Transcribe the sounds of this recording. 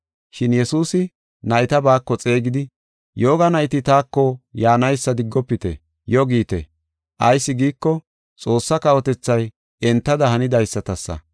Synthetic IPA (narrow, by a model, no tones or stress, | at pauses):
ʃɪnjɛsuːsɪ | nɐjt̪ɐbaːkːɔt͡sʼe̞ːɡɪd̪ɪ | jo̞ːɡɐnɐjt̪ɪt̪aːkːɔjaːnɐjsːɐd̪ɪɡːɔpːɪt̪ɛ̰ | jɔɡiːt̪ɛ̰ | ʔɐjsːɪɡiːkːɔ | t͡sʼo̞ːsːɐkɐwɔt̪ɛt͡sːɐj | ɛnt̪ːɐd̪ɐɦɐnɪd̪ɐjsːɐt̪ɐsːɐ̰